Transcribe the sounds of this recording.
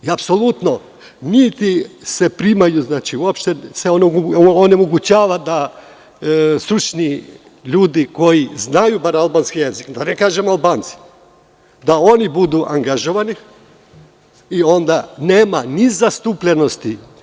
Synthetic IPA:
iapsolut̪no | nit̪isepɾimajuznaːt͡ʃiuo̞pʃt̪eseononemoɡut͡ɕaːʋad̪a | st̪ɾut͡ʃni | ʎuːd̪iko̞jiznajubaɾalbanskijezikd̪anekaːʒemalˠbaːnt̪si̥ | d̪ao̞nibud̪uʔaŋɡaʒoʋani | io̞nd̪aneːmanizast̪upʎeno̞st̪i

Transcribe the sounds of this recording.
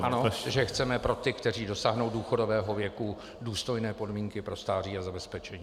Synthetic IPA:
ʔano̞ʒɛxt͡sɛmɛpɾo̞t̪ɪkt̪ɛr̝iːdo̞saːɦnowduːxo̞do̞vɛːɦovjɛku | duːst̪o̞jnɛːpo̞dmiːŋkɪpɾo̞st̪aːr̝iːazabɛspɛt͡ʃɛɲiː

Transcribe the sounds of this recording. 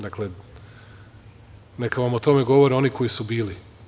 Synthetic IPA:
d̪akle | nekaʋamot̪o̞meɡo̞ʋoɾeo̞nikʰo̞jisubiːli

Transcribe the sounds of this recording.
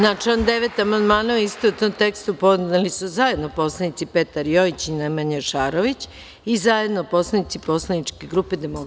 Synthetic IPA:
nat͡ʃland̪eʋet̪amand̪maːnaist̪out̪omt̪e̞kst̪upoznalisuzaje̞d̪nopo̞slanit̪sipe̞t̪aɾjo̞it͡ɕinemaɲaʃaːɾoʋit͡ɕ | izaje̞d̪nopo̞slˠanit̪sipo̞slanit͡ʃke̞ɡɾuːped̪emok

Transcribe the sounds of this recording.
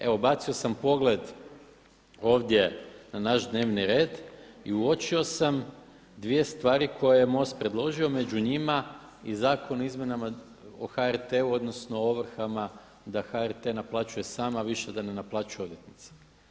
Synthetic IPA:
e̞ʋo̞bat̪sio̞sampo̞ɡle̞d̪ | o̞ːʋd̪je̞nanaʒd̪ne̞ːʋniɾe̞ːd̪ḭuo̞t͡ʃio̞sam | d̪ʋije̞st̪ʋaːɾikʰo̞jejemo̞st̪̚pɾe̞d̪lˠo̞ʒio̞me̞d͡ʑuɲima | izaːkʰo̞noizmje̞nama | o̰xaeɾt̪euo̞d̪no̞sno̞oʋr̩xama | d̪axaɛɾt̪e̞naplˠat͡ʃuje̞saːmaʋiʃe̞d̪ane̞naplˠaːt͡ʃujeo̞d̪je̞t̪nit̪se̥

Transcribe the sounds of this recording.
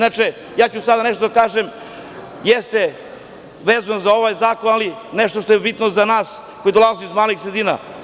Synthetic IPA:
nat͡ʃe | jaːt͡ɕusad̪aneʃt̪o̞d̪akaːʒem | jest̪e | ʋeːzanzaoʋaːjzaːko̞nalineʃt̪o̞ʃt̪o̞jebit̪nozanaːs | kojid̪olˠazijuizmaːlixsɾed̪iːna̰

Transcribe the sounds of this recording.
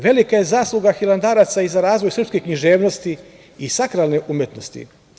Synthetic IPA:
ʋe̞likajezaːslˠuɡaxilˠand̪aːɾat̪saizaɾaːzʋo̞jsr̩pskekɲiʒeːʋno̞st̪i | isakɾalneʔumjet̪no̞st̪ḭ

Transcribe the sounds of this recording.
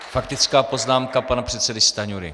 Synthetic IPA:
fakt̪ɪt͡skaːpo̞znaːmkapanapr̥ɛt̪sɛdɪst̪aɲuɾɪ̰

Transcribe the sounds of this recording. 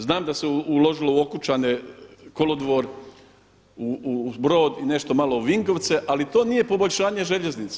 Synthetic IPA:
znaːmd̪aseulo̞ʒilo̞uo̞kut͡ʃaneko̞lod̪ʋo̞ɾ | uubɾo̞ːd̪ine̞ʃt̪o̞malo̞uʋiŋko̞ʋt̪se̞ʔalit̪o̞ːnije̞po̞bo̞ʎʲʃaːɲeʒeʎe̞znit̪se̥

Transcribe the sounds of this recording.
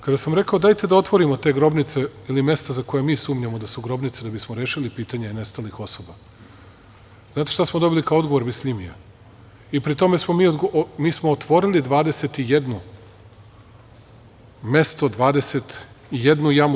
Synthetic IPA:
kad̪asamɾe̞kao̞d̪aːjt̪e̞d̪ao̞t̪ʋo̞ɾimot̪e̞ːɡɾo̞bnit̪se̞ilime̞st̪azako̞jemiːsuːmɲamod̪asuɡɾo̞bnit̪sed̪abismoɾeːʃilipiːt̪aɲane̞st̪alixo̞soba | zaːt̪eʃt̪asmod̪o̞bilikaoo̞d̪ɡoʋo̞ɾmislʲimija | ipɾit̪o̞me̞smo̞miːod̪ɡomiːsmoːt̪ʋo̞ɾilid̪ʋaːd̪e̞se̞t̪ije̞d̪nu | me̞st̪od̪ʋaːd̪e̞se̞t̪ | ijed̪nujam

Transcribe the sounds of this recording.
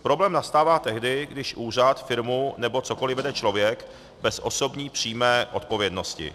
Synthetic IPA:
pɾo̞blɛːmnast̪aːvaːt̪ɛɦdɪɡdɪʃʔuːr̝at̪fɪɾmunɛbo̞t͡soko̞lɪvɛdɛt͡ʃlo̞vjɛk | bɛsʔo̞so̞bɲiːpr̝̥iːmɛːʔo̞t̪̚po̞vjɛdno̞scɪ̰

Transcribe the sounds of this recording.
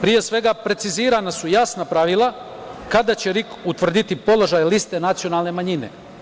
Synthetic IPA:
pɾije̞sʋe̞ɡapɾe̞t̪siziːɾanasujasnapɾaʋilˠa | kad̪at͡ɕe̞ɾikut̪ʋr̩d̪it̪ipo̞lˠo̞ʒajlist̪e̞nat̪sio̞nalˠne̞maɲine̞̰

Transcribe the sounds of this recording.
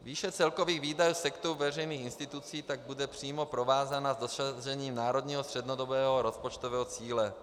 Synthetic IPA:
viːʃɛt͡sɛlkoviːɣviːdajuːsɛkt̪oɾuvɛrɛjniːxɪnst̪ɪt̪ut͡siːt̪aɡ̚budɛpr̝̥iːmo̞pɾo̞vaːzanazd̪oʃaʒɛɲiːmnaːɾod̪ɲiːɦost̪r̥ɛd̪nodobɛːɦoɾospot͡ʃt̪ovɛːɦɔt͡siːlɛ

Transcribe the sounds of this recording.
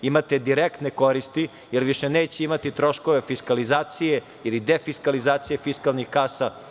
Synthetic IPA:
imat̪ed̪iɾekt̪neko̞ɾist̪i | jeɾʋiʃeneːt͡ɕeimat̪it̪ɾo̞ʃkoʋefiskalizaːt̪sije | ilid̪efiskalizaːt̪sijefiskalˠnixkaːsa

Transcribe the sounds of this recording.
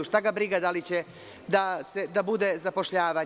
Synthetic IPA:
uʃt̪aɡabɾiɡad̪alit͡ɕe | d̪ased̪abud̪ezapo̞ʃʎaːʋa

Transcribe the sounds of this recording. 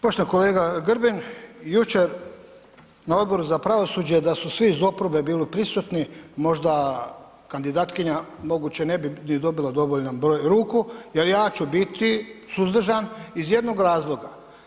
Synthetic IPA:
poʃt̪neko̞leːɡaɡɾbinjut͡ʃe̞ɾ | nao̞d̪̚bo̞ɾuzapɾaʋo̞suːd͡ʑed̪asusʋiːzo̞pɾobe̞biːlipɾisut̪nimo̞ʒd̪a | kand̪id̪aːt̪kiɲamo̞ɡuːt͡ɕene̞binid̪o̞bilˠad̪o̞ʋoʎnanbɾo̞ːjɾuːkuje̞ɾjaːt͡ɕubit̪isuzd̪r̩ʒanizje̞d̪no̞ɡɾaːzlˠo̞ɡa

